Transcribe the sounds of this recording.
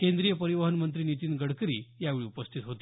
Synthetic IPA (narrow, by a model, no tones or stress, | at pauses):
kẽnd̪ɾijəpəɾiʋəɦənmənt̪̬ɾinit̪iːnɡəɽkɾḭːjaʋeɭiːupəst̪ʰit̪ɦot̪i̥